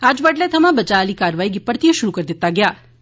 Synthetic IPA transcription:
ad͡ʒbəʈlet̪ʰəmãbət͡ʃalikaɾʋaiɡɪpːəɾt̪ijoʃʊɾukəɾd̪ɪt̪ːaɡja

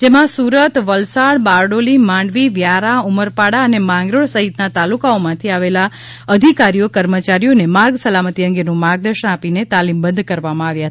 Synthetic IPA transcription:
d͡ʒemãsuɾət̪ʋəlsaɽbaɾɖolimãɳɖʋiʋjaɾauməɾpaɽaənemãŋɡɾoɭsəɦit̪nat̪alukaomãt̪ʰiaʋela | əd̪ʱikaɾijokəɾmət͡ʃaɾijonemaɾɡsəlamət̪iəŋɡenũmaɾɡ̚d̪əɾʃənapinet̪alimbə̃nd̪ʱkəɾʋamãaʋjaɦət̪

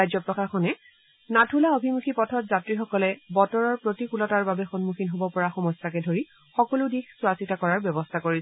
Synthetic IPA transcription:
ajzɔpɹɔkakʰɔnɛ | natʰulaobʱimukʰipɔtʰɔtzatɹixɔkɔlɛbɔtɔɹɔɹpɹotikulɔtaɹbabɛxɔnmuxʰinɦobɔpɔɹaxɔmɔsakɛdʱoɹi | xɔkɔlʊdixsʊasitakɔɹaɹbjɔbɔstʰakoɹisɛ

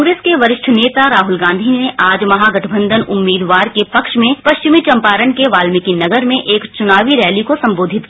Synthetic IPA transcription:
ɡɾeːskeʋɐɾɪʃʈʰneːt̪aɾaːɦʊlɡãːnd̪ʱineʔaːd͡ʒmɐɦaɡɐʈʰəbə̃nd̪ʱənʊmːiːd̪ʋaːɾkepɐkʃmẽpɐʃt͡ʃɪmit͡ʃɐ̃mpaːɾəɳkeʋaːlmɪkinɐɡəɾmẽʔeːkt͡ʃʊnaːʋiɾɛːlikosɐ̃mboːd̪ʱɪt̪ki

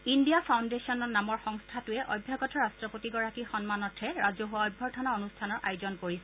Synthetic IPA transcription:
indijapʰawndesiɔnɔɹnamɔɹxɔŋstʰatʊɛʔɔ̰jbʱjaɡɔtʰɔɹastɹɔpotiɡɔɹakixɔnmanɔtʰɛɹazɔɦuwaɔjbʱːɔɹtʰanaonustʰanɔɹʔa̰jʊzɔnkoɹisɛ

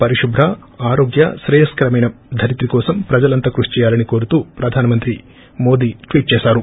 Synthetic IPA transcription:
pɐɾiʂubʱɾɐ | aːɾoːɡjɐ̰ʃɾɛjɐskɐɾɐmɐjnɐd̪ʱɐɾit̪ɾikɔːsɐmpɾɐd͡ʒɐlɐnt̪ɐkɾuʂt͡ʃɛːjaːlɐniko̞ːɾut̪uːpɾɐd̪ʱaːnɐmɐnt̪ɾi | mo̞ːd̪iːʈʋiːʈ̚t͡ʃɛːsaːɾu

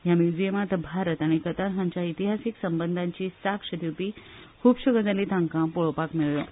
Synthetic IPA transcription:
jamjud͡ʑijəmat̪bʱaɾət̪aɽ̃ikət̪aɾɦãɲt͡ɕait̪iɦasiksəmbənd̪ʱãɲt͡ɕiːsakʂəd̪jup̪iːkʰuːbɕuɡəd͡zalit̪ãŋkãpoɭopakmiɭjɔ

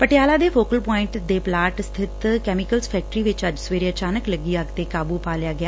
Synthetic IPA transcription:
pəʈɪjaːlaːd̪eːfʰoːkəlpɔːɪ̃ɳʈd̪eːplaːʈst̪ʰɪt̪kɛːmɪkəlzpʰɛːk̚ʈɾiːʋɪt͡ʃəd͡ʒsʋeːɾeːət͡ʃaːnəkləɡiːaɡt̪eːkaːbuːpaːljaːɡɪjaː

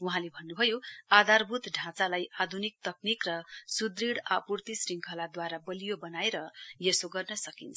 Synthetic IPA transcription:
uɦãlebʱʌnːubʱʌjoad̪ʱarbʱut̪ɖʱãt͡salajʔad̪ʱunik̚t̪ʌknikrʌsud̪riɽapurt̪isriŋkʰʌlad̪waɾabʌlijobʌnaeɾʌjesoɡʌrnʌsʌkint͡sʰ

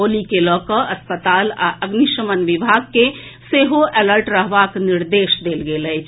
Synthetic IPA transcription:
olikelɔːkəəspət̪aːla̰ʔəɡniʃəmənʋibʱaɡ̚ke | seɦoʔɛləɾʈɾəɦʋakniɾd̪eʃd̪elɡeləɦt͡ʃʰ

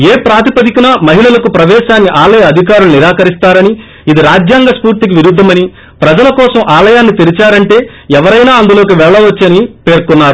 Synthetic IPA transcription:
eːpɾaːt̪ipɐd̪ikinɐmɐɦiɭɐlɐkupɾɐʋɛːʃaːnːiʔaːlɐjɐɐd̪ʱik̬aːɾuluniɾaːkɐɾist̪aːɾɐni | id̪iɾaːd͡ʒjaːŋɡɐspuːɾt̪ik̬iʋiɾud̪ʱːɐmɐni | pɾɐd͡ʒɐlɐkɔːsɐmʔaːlɐjaːnːit̪iɾit͡ʃaːɾɐɳʈe̞ː | ɛʋɐɾɐjnaːɐnd̪ulo̞ːk̬iʋɛɭɐːɐʋɐt͡ʃːɐnipe̞ːɾkunːaːɾu

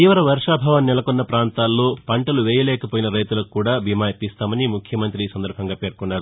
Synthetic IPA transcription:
t̪iːʋɐɾɐʋɐɾʂaːbʱɐːʋɐnːɛlɐkonːɐpɾaːnt̪aːlːoːpɐɳʈɐluʋɛːjɐlɛːkɐpoːjinɐɾɐjt̪ulɐkkːuːɽaːbʱimaːjɐpist̪aːmɐnimukʰjɐmɐnt̪ɾiːsɐnd̪ɐɾbʱɐŋɡaːpe̞ːɾkunːaːɾu

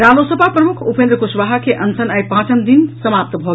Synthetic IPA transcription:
ɾalosəpapɾəmukʰupẽnd̪ɾəkosʋaɦakeʔənsənajpãt͡ʃənd̪insəmap̚t̪bʱɔɡ

